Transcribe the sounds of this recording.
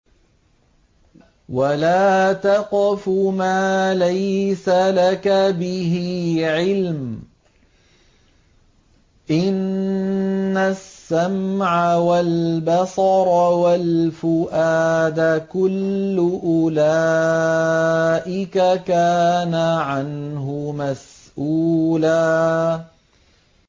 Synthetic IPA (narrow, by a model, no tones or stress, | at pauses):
walaːt̪ɑqfʊmaːlajsalakabɪɦɪʕɪlm | ʔɪnː | asːamʕawalbɑsɑɾˤwalfʊʔaːd̪akʊlːʊʔʊla | ʔɪkakaːnaʕanhʊmas | ʔuːlaː